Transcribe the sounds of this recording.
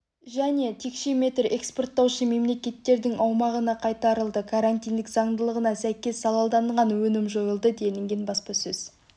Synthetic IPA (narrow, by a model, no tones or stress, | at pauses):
ʒæne̞t̪ʰe̞kʃe̞me̞t̪re̞kspo̞rt̪ːɑwʃəme̞mle̞kʲe̞t̪ːe̞ɾd̪ɪŋʔɑwmɑʁənɑqʰɑjt̪ɑɾəlˠd̪əkʰaɾant̪ijnd̪ɪkzɑɴd̪əlˠəʁənɑsæjkʲe̞sːɑlˠɑlˠd̪ɑɴʁɑnwɵnɪmʒo̞jəlˠd̪əd̪e̞d̪ɪŋɡʲenbɑspɑsɵz̥